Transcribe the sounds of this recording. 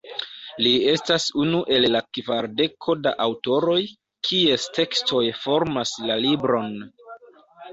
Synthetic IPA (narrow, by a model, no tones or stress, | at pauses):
lie̞stasunuʔe̞lːakvaɾde̞kʰo̞daʔawto̞ɾo̞j | kʰie̞stʰe̞kstʰo̞jfo̞ɾmaslalibɾo̞n